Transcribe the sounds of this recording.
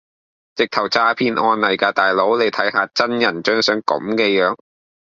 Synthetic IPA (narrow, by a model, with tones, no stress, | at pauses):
t͡sɪ˨k̚t̪ʰɐ˨˩wt͡saː˧pʰiː˧nʔɔː˧nlɐ˨˩jkaː˧t̪aː˨˩jlo˨˥wle˨˧jt̪ʰɐ˨˥jɦaː˨˧t͡sɐ˥njɐ˨˩nt͡ʃœː˥ŋsœː˨˥ŋkɐ̰˨˥mkɛː˧jœː˨˧˥ŋ